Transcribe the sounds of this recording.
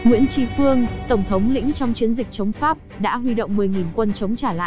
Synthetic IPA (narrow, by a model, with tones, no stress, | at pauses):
ŋwḭ˧˥ənt͡ɕi˧fɨ˧əŋt̪ə˧˩wŋ͡mt̪ʰə˨˦wŋ͡mlḭ˧˥ŋt͡ɕɔ˧wŋ͡mt͡ɕi˨˦ənzï˨˩k̚t͡ɕə˨˦wŋ͡mfaː˦˥p̚ɗa̰ː˧˥ɦwi˧ɗo̰˧˨wŋ͡mmɨ˨˩əjŋi˨˩nkwə˧nt͡ɕə˨˦wŋ͡mt͡ɕaː˧˩la̰˧˨